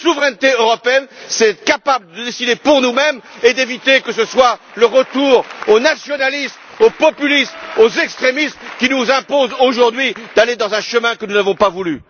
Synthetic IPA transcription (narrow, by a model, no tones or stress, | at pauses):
suvʁɛnt̪eøʁɔpeɛnsɛt̪kapabləd̪əd̪esid̪epuʁnumɛmed̪evit̪ekəsəswaləʁət̪uʁonasjɔnalismopɔpylistozɛkst̪χemist̪kʲinuzɛ̃pozoʒuʁd̪ɥid̪aled̪ɑ̃zɛ̃ʃəmɛ̃kənunavɔ̃pavuly